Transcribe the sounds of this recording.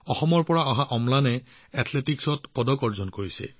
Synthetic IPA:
ɔxɔmɔɹpɔɹaɔɦaʔɔmlanɛ | atʰletiksɔtpɔdɔkɔɹzɔnkoɹisɛ̰

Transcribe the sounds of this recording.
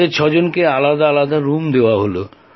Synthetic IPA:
eɾt͡ɕʰɔd͡ʑonkealad̪aalad̪aɾumd̪eoaɦolo̰

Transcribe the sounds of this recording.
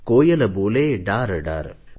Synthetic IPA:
koːjɐlɐboːleːɖaːɾɖa̰ːɾ

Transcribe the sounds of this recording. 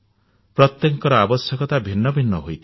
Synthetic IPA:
pɾɔt̪jɔŋkɔɾɔabɔsjɔkɔt̪abʱinːɔbʱinːɔɦojt̪ʰi

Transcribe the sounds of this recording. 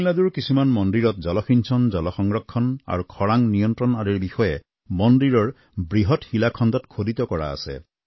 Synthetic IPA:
laduɹkisumanmɔndiɹɔt̚zɔlɔxinsʰɔnzɔlɔxɔŋɹɔkʰːɔna̰ɹukʰɔɹaŋnijɔntɹɔnaɹiɹbixɔjɛ | mɔndiɹɔɹ | bɹiɦɔthilakʰɔndɔtkʰodit̪ɔkɔɹa̰ːsɛ̰

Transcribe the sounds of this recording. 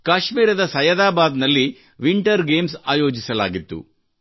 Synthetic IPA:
kaːʃmiːɾɐd̪ɐsɐjɐd̪aːbaːd̪nɐlːi | ʋiɳʈɐɾɡeːmsaːjo̞ːd͡ʒisɐla̰ːɡit̪ːṵ

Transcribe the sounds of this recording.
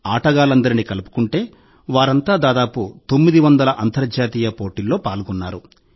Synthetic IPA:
aːʈɐɡaːlɐnd̪ɐɾinikɐlupu̥kuɳʈe̞ː | ʋaːɾɐnt̪aːd̪aːd̪aːput̪o̞mːid̪iʋɐnd̪ɐlɐʔɐnt̪ɐɾd͡ʒaːt̪iːjɐpo̞ːʈilːo̞ːpaːluɡunːaːɾu

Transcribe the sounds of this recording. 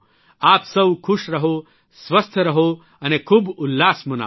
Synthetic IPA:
aːpsəwkʰuʂɾɐɦo | sʋɐst̪ʰəɾɐɦo | ɐnekʰuːbulːaːsmɐna̰

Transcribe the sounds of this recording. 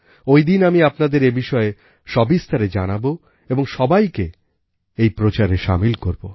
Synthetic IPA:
ojd̪inamiapnad̪eɾebiʃɔe | ʃɔbist̪ʰaɾed͡ʑanabo | eboŋʃɔbajke | ejpɾot͡ɕaɾeʃa̰milkoɾbo

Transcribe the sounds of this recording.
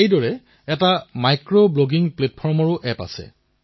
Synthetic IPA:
ejdɔɹɛ | ɛtamajkɹobloɡiŋplet̚pʰɔɹmɔɹʊʔɛpa̰sɛ̰

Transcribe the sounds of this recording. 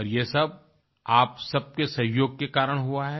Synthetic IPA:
ɔɾjesɐb̚ | aːpsɐb̚kesɐɦjoːɡ̚kekaːɾəɽ̃ɦuaɦɛ

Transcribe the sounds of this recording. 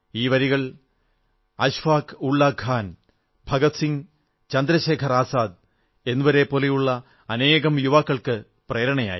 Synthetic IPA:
iːʋɐɾiɣɐɭ | ɐɕʋaːkuɭːaːkʰːaːn | bʱɐɡɐt̪siŋ | t͡ɕɐnd̪ɾɐɕeːkʰɐraːsaːd̪̚ | e̞nːuʋɐɾe̞po̞ːlejuɭːɐ | ɐne̞ːɣɐmjuʋaːkːɐɭkɨ | preːɾɐɳɐja̰ːjḭ

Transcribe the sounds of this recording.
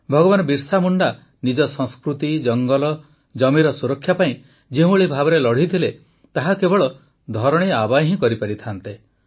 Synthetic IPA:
bʱɔɡɔbanɔbiɾsamuɳɖa | nid͡ʒɔsɔ̃skɾut̪id͡ʒɔŋɡɔlɔ | d͡ʒɔmiɾɔsuɾɔkʰjapaĩ | d͡ʒeɦũɭibʱabɔɾelɔɽ̤it̪ʰile | t̪aɦakebɔɭɔ | d̪ʱɔɾɔɽ̃iabaɦĩkɔɾipaɾit̪ʰant̪e

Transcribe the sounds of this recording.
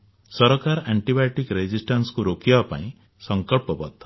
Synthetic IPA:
sɔɾɔkaɾaɳʈibajʈikɾed͡ʒisʈanskuɾokiapa̰ĩ | sɔŋkɔɭpɔbɔt̪ːɔ

